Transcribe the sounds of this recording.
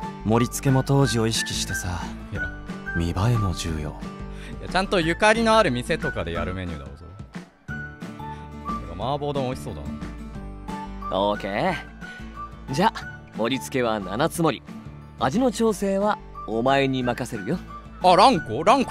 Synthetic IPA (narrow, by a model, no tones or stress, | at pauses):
mo̞ɾʲit͡sɨ̥ke̞mo̞t̪o̞ːʑio̞iɕi̥kʲi̥ɕi̥t̪e̞sa | amʲibaemo̞d͡ʑɨ̰ːjo̞̰ːja̰t͡ɕãnt̪o̞jɯ̟kaɾʲino̞aɾɯ̟mʲise̞t̪o̞kad̪e̞ja̰ɾɯ̟me̞ɲɨ̰ːd̪a̰ozoɾ | ooɾeɡamaːbo̞ːd̪õoçʲiso̞ːd̪a̰no | oːke̞ː | d͡ʑaː | mo̞ɾʲit͡sɨ̥ke̞β̞ana̰nat͡sɨmo̞ɾʲi | aʑino̞t͡ɕo̞ːse̞ːβa | omae̞ɲ̟imakase̞ɾɯ̟jo̞ | aɾãŋkoɾãŋk